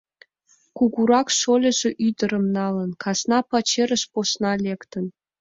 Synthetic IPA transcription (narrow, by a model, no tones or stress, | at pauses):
kuɡuɾɑkʃolʲə̆ʒĕʔyd̪ə̆ɾə̆mnɑlə̆nkʰɑsnɑpɑt͡ɕeɾə̆ʃposnɑlʲekt̪ə̆n